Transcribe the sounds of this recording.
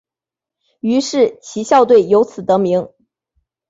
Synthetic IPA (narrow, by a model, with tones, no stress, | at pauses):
y˧˥ʂɻ̩˥˩t͡ɕʰi˧˥ɕjɑ˥˧ʊt̪̬we˥˩ɪjo˧˥ʊt͡sʰɹ̩˨˩t̪ɤ˧˥mi˧˥ŋ